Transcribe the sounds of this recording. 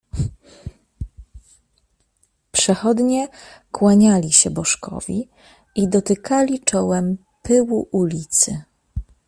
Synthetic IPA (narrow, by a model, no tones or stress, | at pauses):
pʂɛxɔd̪ɲɛkwaɲalʲiɕɛbɔʂkɔ̰vʲḭ | id̪ɔt̪ɘkʰalʲit͡ʂɔwɛm | pɘwuʔulʲit̪sɘ